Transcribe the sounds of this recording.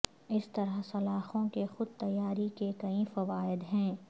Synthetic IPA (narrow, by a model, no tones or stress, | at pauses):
ɪst̪ɐɾəɦsɐlaːxõkexʊd̪̚t̪ɐjːaːɾikekɐĩfɐʋaːɪd̪ɦɛ̃ː